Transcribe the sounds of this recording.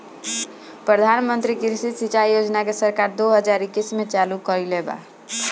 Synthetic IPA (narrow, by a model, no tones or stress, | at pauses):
pɾəd̪ʱanmənt̪ɾikiɾsisit͡ʃaijod͡ʒnakesəɾkaɾd̪oɦəd͡ʒaɾikːismet͡ʃalukəɾileba̰